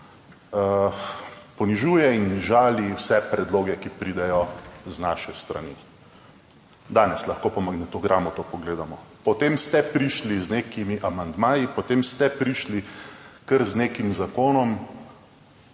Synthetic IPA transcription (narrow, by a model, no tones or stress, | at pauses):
pɔniʒuːjɛinʒaːliwsɛpɾɛd̪loːɡɛkipɾiːd̪ɛjɔznaːʃɛst̪ɾa̰nḭ | d̪aːnɛslɐxkoːpɔmaɡnɛt̪ɔɡɾʔamɔt̪opɔɡleːd̪amɔpɔt̪eːmst̪ɛpɾiʃlizneːkimiʔamand̪maːjipɔt̪eːmst̪ɛpɾiʃlikəɾzneːkimzakoːnɔm